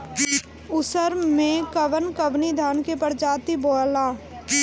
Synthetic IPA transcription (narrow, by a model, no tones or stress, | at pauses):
ʊsəɾmẽkəʋənkəʋnid̪ʱaːnkepəɾd͡ʒaːt̪iboːlaː